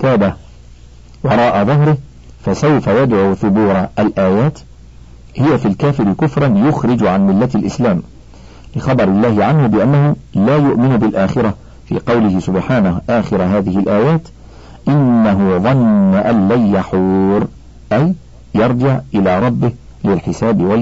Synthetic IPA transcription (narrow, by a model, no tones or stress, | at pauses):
aːba | wɑɾˤɑːʔaðˤɑɦɾɪh | fasawfajad̪ʕuːθʊbuːɾˤʔalʔaːjaːt̪ | hɪjafiːlkaːfɪɾɪkʊfɾˤɑnjʊxɾɪd͡ʒʕanmɪlːat̪alʔɪslaːm | lɪxɑbɑɾɪlːaːhɪʕanhʊbɪʔanːahʊlaːjʊʔmɪnʊbɪlʔaːxɪɾa | fḭːqɑwlɪhɪsʊbħaːnahʔaːxɪɾaɦaːðɪhɪlʔaːjaːt̪ | ʔɪnːaɦʊðˤɑnːaʔalːajjaħuːɾ | ʔajː | ɑɾˤd͡ʒɪʕʔɪlaːɾˤɑbːɪh | lɪlħɪsaːbɪwa